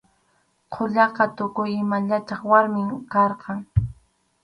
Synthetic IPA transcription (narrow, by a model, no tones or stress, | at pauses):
qʰoʎɑqɑt̪ʊkʊjɪmaʎat̪ɑχwaɾmɪmkɑɾqɑŋ